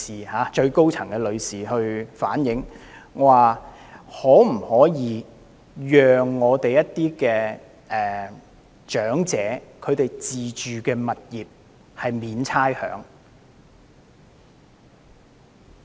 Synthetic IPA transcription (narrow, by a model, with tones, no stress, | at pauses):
iː˨haː˨˦t͡ʃɵ˧ɥko˥wt͡sʰɐ˨˩ŋkɛː˧lɵ˨˧ɥsiː˨ɦɵ˧ɥfaː˨˥njɪ˨˥ŋwaː˨ | hɔː˨˥m̩˨˩hɔː˨˥jiː˨˧ | jœː˨ŋːɔː˨˧t̪e˨jɐ˥tt̪iː˥kɛː˧ | ʔɛː˨ | t͡ʃœː˨˥ŋt͡sɛː˨˥kʰɵ˨˧ɥt̪e˨jt͡siː˨t͡ʃyː˨kɛː˧mɐ˨t̚jiː˨˩p̚ | hɐ˨jmiː˨˧nt͡sʰaː˥jhœ̰ː˨˥ŋ